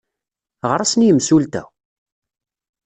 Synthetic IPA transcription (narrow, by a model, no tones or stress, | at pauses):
ʁəɾˤasnjəmsult̪æ̰